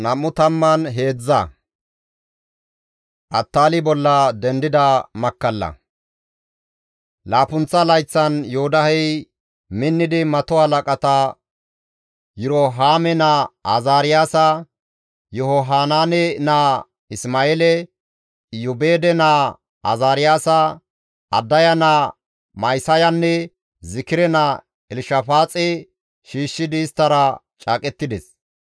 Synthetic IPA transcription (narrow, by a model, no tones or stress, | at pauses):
nɐmːʊt̪ɐmːɐnɦe̞ːd͡zːɐ | ʔɐt̪ːaːlɪbɔlːɐd̪ɛnd̪ɪd̪ɐmɐkːɐlːɐ̰ | laːpʊnt͡sːɐlɐjt͡sːɐnjɔhʊd̪ɐhɛj | mɪnːɪd̪ɪmɐt̪ɔɐlɐkʼɐt̪ɐ | jʊɾoɦaːmɛnɐazaːɾɪjaːsɐ | jɔhɔɦaːnaːnɛnaː | ɪsmaːeːlɛ | jʊbeːd̪ɛnaː | ɐ̰zaːɾɪjaːsɐ | ɐ̰d̪ːɐjɐna | mɐjsɐjɐnːɛ | zɪkɪɾɛna | ɛlɪʃɐfaːt͡sʼɛ | ʃiːʃːɪd̪ɪːst̪ːɐɾɐ | t͡ʃʼaːkʼɛt̪ːɪd̪ɛs